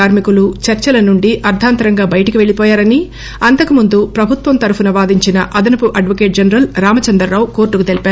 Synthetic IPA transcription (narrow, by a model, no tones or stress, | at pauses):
aːɾmikulut͡ʃɐɾt͡ʃɐlɐnuɳɖiʔɐɾd̪ʱaːnt̪ɐɾɐŋɡaːbɐjɐʈɐkiʋe̞ɭipɔːjaːɾɐni | ɐnt̪ɐkumund̪upɾɐbʱut̪ʋɐmt̪ɐɾupunɐʋaːd̪iɲt͡ʃinɐʔɐd̪ɐnɐpuʔɐɖʋɐkeːʈ̚d͡ʒɐnɐɾɐlɾaːmɐt͡ʃɐnd̪ɾɐɾːaːwko̞ːɾʈːukut̪e̞lipaːɾu